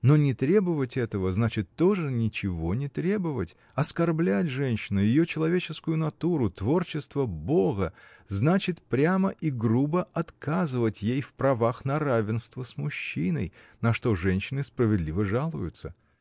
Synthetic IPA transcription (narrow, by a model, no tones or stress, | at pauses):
no̞nʲɪt̪ɾʲe̞bɨvətʲɛt̪əvəznat͡ɕɪt̪ːo̞ʐɨnʲɪt͡ɕɪvo̞nʲɪt̪ɾʲe̞bɨvə̰tʲ | ɐskɐrblʲætʲʐɛnʲɕːɪnʊjɪjo̞t͡ɕɪlˠɐvʲet͡ɕɪskʊjʊnɐt̪uɾʊt̪vo̞rt͡ɕɪst̪vəbo̞ɣəznat͡ɕɪt̪pɾʲaməʔiɡrubəʔɐt̪kazɨvətʲjejfpɾɐvaxnɐɾavʲɪnst̪vəsmʊɕːinə̰jnɐʂt̪o̞ʐɛnʲɕːɪnɨspɾəvʲɪd̪lʲivəʐalˠʊjʊt̪sə